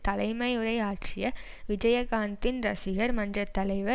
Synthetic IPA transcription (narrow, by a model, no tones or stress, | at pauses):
t̪ɐlɐɪmɐɪɯɾɐɪaːʈt͡ʃɪjɐ | ʋɪd͡ʒɐjɐɣaːnt̪ɪnɾɐ̰sɪɣɐɾmɐndrɐt̪ːɐlɐɪʋɐ